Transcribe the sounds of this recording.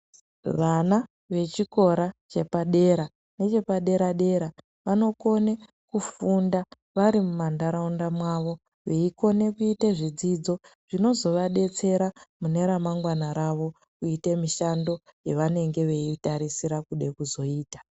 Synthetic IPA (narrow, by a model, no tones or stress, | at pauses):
ʋana | ʋe̞t͡ʃiko̞ɾat͡ʃe̞paɗe̞ɾa | ne̞t͡ʃe̞paɗe̞ɾaɗe̞ɾa | ʋano̞ko̞ne̞ | kufunda | ʋaɾimumandaɾaundamwaʋo̞ | ʋeiko̞ne̞kuiteʐid͡zid͡zo̞ʐ̥ino̞zo̞ʋaɗe̞t͡se̞ɾamune̞ɾamaŋɡwanaɾaʋo̞ | kuite̞miʃando̞jeʋane̞ŋɡe̞ʋe̞itaɾisiɾakuɗe̞kuzo̞iːtḁ